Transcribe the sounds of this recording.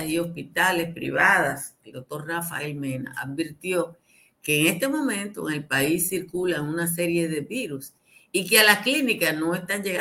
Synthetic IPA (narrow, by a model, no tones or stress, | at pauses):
sio̞spit̪ale̞spɾḭβaðaseld̪o̞k̚t̪o̞ɾrafa̰elmena̰ʔa̰ðbiɾt̪jo̞ | keːŋe̞st̪e̞mõ̞mẽ̞nt̪oḛŋe̞lpaisːiɾkulaŋunas̬e̞ɾje̞ðe̞βiɾus | ikealasklinikasno̞e̞st̪aŋd͡ʒe̞ɣa